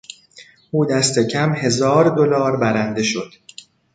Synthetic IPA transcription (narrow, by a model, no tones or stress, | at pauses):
ʔuːd̪æst̪ʰe̞cʰæmhe̞zɒːɾd̪o̞lɒːɾbæɾænd̪e̞ʃo̞d̪̥